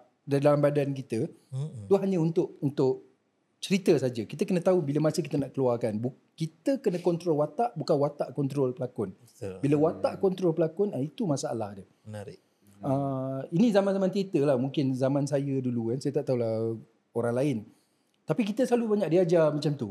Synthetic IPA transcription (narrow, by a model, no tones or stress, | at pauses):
daidalambadankit̪ət̪uɦaɲəunt̪ʊʔunt̪ʊʔ | t͡ʃəɾit̪əsad͡ʒəkit̪əkənə̃t̪aubiləmasəki̥t̪ənaʔkəluarkanbu | kit̪əkənə̃kɔnt̪ɾɔlwat̪aʔbukanwat̪aʔkɔnt̪ɾɔlpəlakʊn | biləwat̪aʔkɔnt̪ɾɔlpəlakʊnəit̪umasaa̰la̰hdə | nɾ | əinĩzamanzamãnt̪əɾit̪əlahmuŋkɪnzamãnsajədulukansajət̪aʔt̪aulah | oɾaŋlaɪn | t̪apik̬it̪əsəlalubaɲaʔdiad͡ʒamãt͡ʃamt̪u